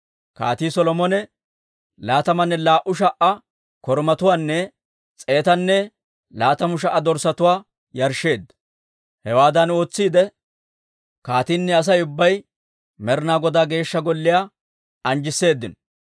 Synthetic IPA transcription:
ka̰ːt̪iːsɔlɔmɔnɛ | laːt̪ɐmɐnːɛlaːʔʊʃ̬ɐʔɐ | kɔɾmɐt̪ʊwaːnːɛ | t͡sʼe̞ːt̪ɐnːɛ | laːt̪ɐmʊʃ̬ɐʔɐd̪ɔɾsɐt̪ʊwaː | jɐɾʃːe̞ːd̪ːɐ | hɛwaːd̪ɐno̞ːt͡sːiːd̪ɛ | kaːt̪iːnːɛɐs̬ɐjʊbːɐj | mɛɾnaːɡɔd̪aːɡe̞ːʃːɐɡɔlːɪjaː | ɐnd͡ʒɪsːe̞ːd̪ːɪnɔ

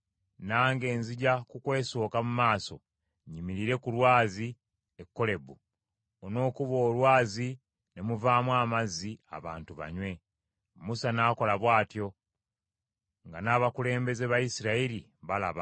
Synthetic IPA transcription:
naːŋɡe̞ːnziɟakukwe̞ːsoːkamumaːso̞̰ | ɲimiɾiɾe̞kulwaːzi | ekːo̞le̞bu | ono̞ːkuβo̞ːlwaːzi | ne̞muvaːmwaːmazia̰βa̰ːntuβa̰ɲwe̞ | musanaːko̞laβwaːtjo̞ | ŋɡanaːβakule̞ːmbe̞ze̞βajisiɾaiɾi | βala̰βa

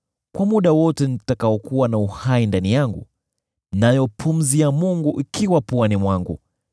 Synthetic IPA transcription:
kwamuɗawɔtɛnitakaɔkuwanauhaindanijaŋɡṵ | najɔpʰum̩ziamuŋɡuʔikiwapuanimwaŋɡṵ

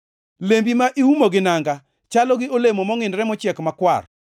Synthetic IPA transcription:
lembimaʔiumoɡɪnaŋɡa | t͡ʃalɔɡɪolemomɔŋɪnɾɛmɔt͡ʃjɛkmakwa̰r

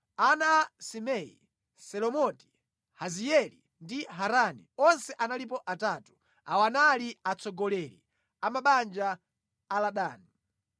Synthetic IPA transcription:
anaasimɛḭ | sɛlɔmɔti̥ | hazijɛlḭ | ndiɦaɾanḭɔnsɛʔanalip̬ɔʔataːtu̥ | awanaliat͡sʰɔɡɔlɛlḭ | amaɓand͡ʒaː | laɗaːni

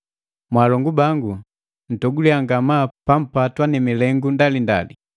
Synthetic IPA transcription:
mwaːlɔŋɡubaŋɡu | n̩tɔɡuliaŋɡamapam̩patwanimilɛŋɡundalinda̰li

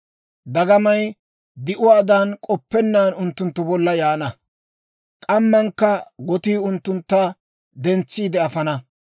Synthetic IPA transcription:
d̪ɐɡɐmɐj | d̪ɪʔʊwaːd̪ankʼɔpːɛnːaːnʊnt̪ːʊnt̪ːʊbɔlːɐjaːnɐ | kʼɐmːɐŋkːɐɡɔt̪iːʊnt̪ːʊnt̪ːɐ | d̪ɛnt͡sːiːd̪ɛɐfɐnɐ

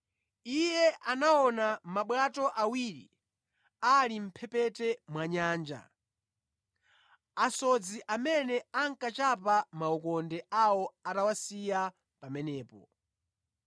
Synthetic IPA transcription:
ijɛʔanaɔnamaɓwatɔʔawiɾḭ | alim̩pʰɛpɛtɛmwaɲaːnd͡ʒa̰ | asɔd͡ziʔamɛnɛaŋkat͡ʃapamaɔkɔndɛʔawɔatawasija | pamɛnɛːpɔ̰

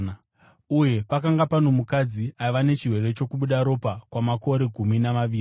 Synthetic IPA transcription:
uje̞pakaŋɡapano̞mukad͡ziaʋane̞t͡ʃirwe̞re̞t͡ʃo̞kuɓuɗaɾo̞pakwamako̞ɾe̞ɡʱuminamaʋiːri

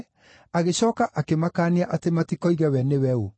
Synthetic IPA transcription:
aɣeɕɔːkaʔakemakaːniaʔatematikɔiɣɛwɛnewɛo

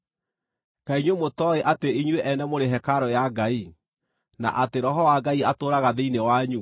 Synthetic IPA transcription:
kaiɲwemotɔeʔateiɲweʔɛnɛmoɾeɦɛkaɾɔjaɡai | na̰ʔateɾɔɦɔwaɡaiatoːɾaɣaðeinewaɲu

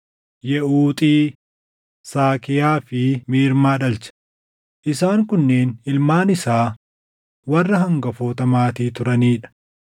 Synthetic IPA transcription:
jɛuːt̪ʼiː | saːkɪjaːfɪmiːɾmaːᶑɐlt͡ʃɐ̥ | ʔɪsaːŋkʊnːe̞ːnɪlmaːnɪsaː | wɐrːɐɦɐŋɡɐfoːt̪ɐmaːt̪iːt̪ʊɾɐniːᶑɐ̥

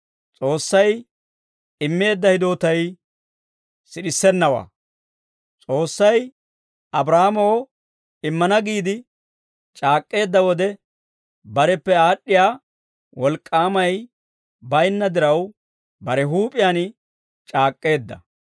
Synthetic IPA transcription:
t͡sʼo̞ːsːɐj | ɪmːe̞ːd̪ːɐhɪd̪o̞ːt̪ɐj | sɪɗɪsːɛnːɐwa̰ː | t͡sʼo̞ːsːɐj | ɐbɾaːmɔw | ɪmːɐnɐɡiːd̪ɪ | t͡ʃʼaːkʼːe̞ːd̪ːɐwɔd̪ɛ | bɐɾɛpːɛaːɗːɪjaː | wɔlkʼːaːmɐj | bɐjnːɐd̪ɪɾɐw | bɐɾɛɦuːpʼɪjaːn | t͡ʃʼaːkʼːe̞ːd̪ːɐ̰

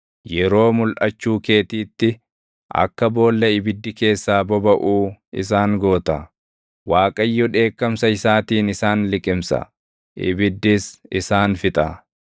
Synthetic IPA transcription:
jɛɾo̞ːmʊlʔɐ̰t͡ʃːuːke̞ːt̪iːt̪ːɪ | ʔɐ̰kːɐbo̞ːlːɐɪbɪd̪ːɪke̞ːsːaːbɔbɐʔuːɪ̰s̬aːŋɡo̞ːt̪ɐ | waːkʼɐjːɔᶑe̞ːkːɐmsɐɪsaːt̪iːnɪsaːnlɪkʼɪmsɐ̰ | ʔɪ̰bɪd̪ːɪsɪsaːnfɪt̪ʼɐ

